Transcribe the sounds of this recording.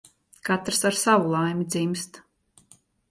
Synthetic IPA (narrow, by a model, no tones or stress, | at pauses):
kat̪ɾsaɾsavulˠajmʲid̪zimst̪